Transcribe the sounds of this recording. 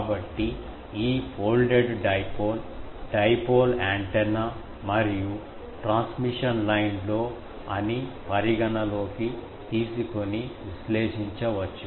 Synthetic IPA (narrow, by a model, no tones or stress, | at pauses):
bɐʈːi | iːpʰoːlɖeɖɖɐjpoːl | ɖɐjpoːlaːɳʈena | mɐɾiju | ʈɾaːnsmiʂɐnlɐjnlo̞ː | ɐnipɐɾiɡɐnɐlo̞ːki | t̪iːsukoniʋisleːʂiɲt͡ʃɐʋɐt͡ʃːu